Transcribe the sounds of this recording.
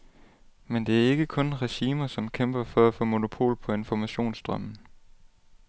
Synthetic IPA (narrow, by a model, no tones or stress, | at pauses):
mend̥e̝æɐe̝ɡ̥əkʰɔ̽nʁɛɕiːmɐsɒ̽mkʰemb̥ɐfɒ̽æfɔ̰̽ːmo̝no̝pʰo̝̰ːlpʰɒ̽e̝nfɒmæɕo̝̰ːnsd̥ʁɶmn̩